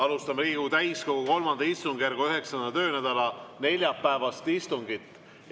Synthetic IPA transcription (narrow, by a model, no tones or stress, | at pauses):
ɑlust̪ɑmeliːɡ̥ut̪æjsko̞ɡuko̞lmɑnd̪̥ɑist̪uŋɡ̥jærɡ̥uyɦe̞ksɑnd̪ɑt̪ø̞ːnæd̪̥ɑlɑne̞lʲjɑpːæevɑst̪ist̪uŋɡit̪ːˑ